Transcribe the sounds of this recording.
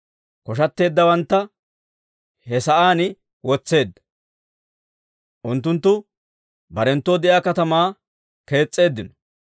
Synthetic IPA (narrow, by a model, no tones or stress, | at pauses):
kɔʃ̬ɐt̪ːe̞ːd̪ːɐwɐnt̪ːɐ | hɛsɐʔaːnɪ | wɔt͡sːe̞ːd̪ːɐ̥ | ʔʊnt̪ːʊnt̪ːʊ | bɐɾɛnt̪ːoːd̪ɛʔjaːkɐt̪ɐmaː | ke̞ːt͡sʼːe̞ːd̪ːɪnɔ̥